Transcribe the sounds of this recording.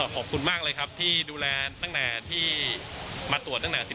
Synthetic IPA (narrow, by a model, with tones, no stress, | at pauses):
kʰɔː˨˩p̚kʰu˧nmaː˥˩k̚lɤː˧jkʰa˦˥p̚t̪ʰiː˥˩duː˧lɛː˧t̪a˥˩ŋnaː˨˩t̪ʰiː˥˩ | maː˧t̪u˨˩ət̪̚na˥˩naː˨˩si˨˩